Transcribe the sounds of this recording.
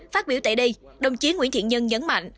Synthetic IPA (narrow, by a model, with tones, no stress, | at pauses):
faː˦˥t̚ɓi˧˩əwt̪ḛ˧˩ɗi˧ɗə˨˩wŋ͡mt͡ɕi˨˦ənŋwi˧˥nt̪ḭ˧˨ənɲə˧nɲə˨˦nma̰˧˨jŋ̟ʔ